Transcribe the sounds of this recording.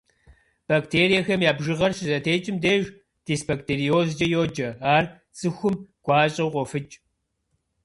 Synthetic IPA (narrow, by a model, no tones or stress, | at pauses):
b̥aːktʰeːɾijɐxɐmjaːbʒɨʁɐrʃɨzɐtʰeːt͡ʃʼɪmdeːʒ | d̥iːsbɐk̚tʰeːrioːzd͡ʒɐjoːd͡ʒɐaːr | t͡sʼɨxʷʊmɡ̥ʷaːɕʼɐwqʷʼɔfɨt͡ʃʼ